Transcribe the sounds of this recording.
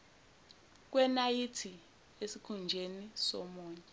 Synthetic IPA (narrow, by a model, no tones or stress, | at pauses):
k̬wɛnajitʰi | esikʰund͡ʒʱenisɔmɔːɲɛ